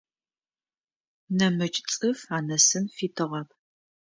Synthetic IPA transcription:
nɐmɨt͡ʃʼt͡sʼɨfaːnɐsɨmfiːtʰɨʁɐp̚ʰ

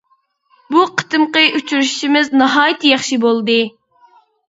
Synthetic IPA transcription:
buqʰə̥t̪ɨmqəyt͡ʃʰyɾyʃi̥ʃimɪznɑɦɑːjt̪ʰjɑχʃibolˠd̪ɨ

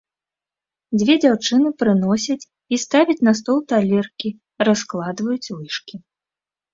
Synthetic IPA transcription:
d͡zʲvʲɛd͡zʲawt͡ʂɨnɨpɾɨnɔsʲɐt͡sʲ | ist̪avʲit͡sʲnɐst̪ɔlˠt̪alʲɛrkʲi | rasklˠad̪vɐjut͡sʲvɨʂkʲi

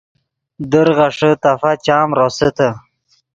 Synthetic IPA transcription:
d̪əɾʁaʂət̪afat͡ɕaːmɾosət̪ʰə

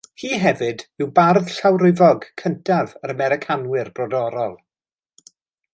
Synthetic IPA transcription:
hiːɦɛvɨdɪwbarð̥ɬawrɪvɔɡkʰəntʰavəɾəmɛɾɪkʰanwɪrb̥rɔdɔɾɔlˠ

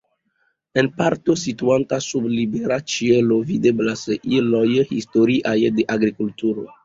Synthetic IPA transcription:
enpaɾt̪osituant̪asublibeɾat͡ʃielovid̪eblasʔilɔjhḭstoɾiʔajdeʔaɡɾikult̪uɾo̰

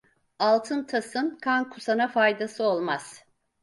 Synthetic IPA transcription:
alˠt̪ʰɯnt̪ʰasɯnkʰankʰusanafajd̪asɯo̞lˠmaz̥

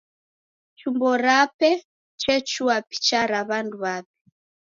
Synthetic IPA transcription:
t͡ʃumbɔɾapɛ | t͡ʃɛt͡ʃuapi̥t͡ʃaɾaβanduβapɛ̥

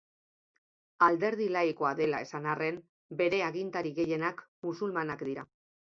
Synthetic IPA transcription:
ald̪e̞ɾð̞ilaiko̞aðe̞lae̞sanare̞m | be̞ɾe̞aɣint̪aɾiɣe̞je̞nakmusulmanakd̪iɾa

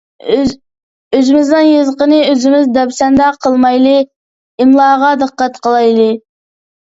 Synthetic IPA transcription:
ʏzɪmɪzd̪ɪnjəzqəniʏzɪmɪzd̪ɑbsænd̪ɑqʰəlˠmɑjlˠi | ɪmlˠɑʁɑd̪əqːɑt̪qʰəlˠɑjlˠi

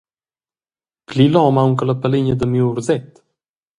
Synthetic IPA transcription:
klilɔmawŋkələpəliɲəd̪əmiuɾzɛt̪

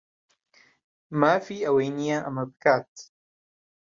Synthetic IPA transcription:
maːfiːʔɐwejnijaʔamɐbkaːt̪

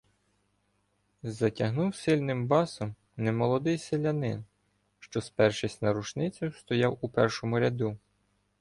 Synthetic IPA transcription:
zɐtʲɐɦnuwsɪlʲnɪmbɑsɔm | nɛmɔlˠɔd̪ɪjselʲɐnɪ̰n | ʃt͡ʃɔspɛrʃɪsʲtʲnɐɾut͡ʃnɪt͡sʲʊst̪ɔjɑwupɛrʃɔmʊɾʲɐd̪u

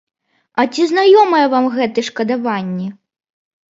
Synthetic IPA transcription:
ɐt͡sʲiznajɔmɐjɛvamɣɛt̪ɨʂkɐd̪avanʲːɛ

